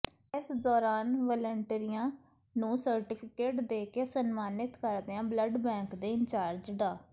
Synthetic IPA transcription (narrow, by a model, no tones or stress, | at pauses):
ɪsd̪ɔːɾaːnʋɔːləɳʈeɾijãː | nũːsəɾʈɪːpʰɪkeːʈd̪eːkeːsənmaːnɪt̪kəɾd̪eãːbləɖbɛ̃ːŋkd̪eːɪɲt͡ʃaːɾd͡ʒd̪aː